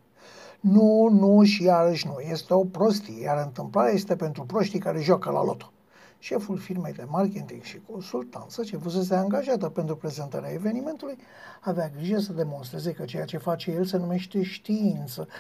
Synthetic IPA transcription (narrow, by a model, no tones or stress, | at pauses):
nunuʃijaɾəʃnujest̪eo̞pɾo̞st̪ijaɾɨnt̪ɨmplaɾeaje̞st̪e̞pe̞nt̪ɾupɾo̞ʃt̪ikaɾe̞ʒwakəla̰lo̞t̪o̥ | ʃe̞fulfirme̞jd̪e̞market̪iŋɡʃiko̞nsult̪a̰nt̪sət͡ʃe̞fuz̬e̞s̬eaŋɡaʒat̪əpe̞nt̪ɾupɾe̞ze̞nt̪aɾeaeve̞nime̞nt̪uluj | aveaɡɾiʒəs̬əd̪e̞mo̞ns̬t̪ɾe̞ze̞kət͡ʃe̞jat͡ʃe̞fat͡ʃe̞jelse̞nume̞ʃt̪e̞ʃt̪iint̪sə